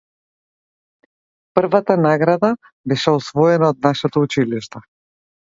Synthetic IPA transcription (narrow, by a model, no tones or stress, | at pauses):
pərvat̪anaɡɾad̪a | bɛʃɛɔsvɔɛnaɔd̪̚naʃɛt̪ɔut͡ʃiliʃt̪a